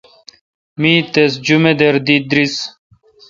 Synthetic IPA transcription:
miːt̪es̬d͡ʑumed̪eɾd̪id̪ɾis

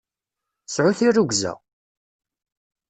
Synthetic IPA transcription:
sʕʊθirːuɡzæ̰

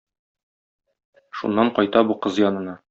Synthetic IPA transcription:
ʃṵnːɑɴqɒjt̪ɑbuqɤzjɒnɤ̆nɑ

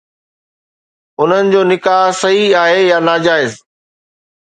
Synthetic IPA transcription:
ʊn̤ənɪ̆d͡ʑoːnɪkaːɦsɐɦiaːɦejaːnaːd͡ʑaːɪz

